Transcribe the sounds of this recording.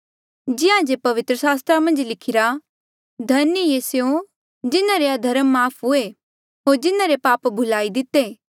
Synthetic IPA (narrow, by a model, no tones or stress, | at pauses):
d͡ʒɪãd͡ʒepɐʋɪt̪ɾəsaːst̪ɾamɐ̃nd͡ʒlɪkʰɪɾa | d̪ʱɐnjəjesejõ | d͡ʒɪnãɾead̪ʱɐɾəmːaːpʰɦʊe | ɦoːɾd͡ʒɪnãɾepaːpbʱʊlaːid̪ɪt̪ːeː